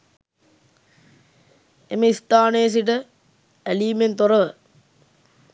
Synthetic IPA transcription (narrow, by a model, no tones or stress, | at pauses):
emeist̪aːnejːs̬iʈ̬ə | æliːment̪oɾɐʋə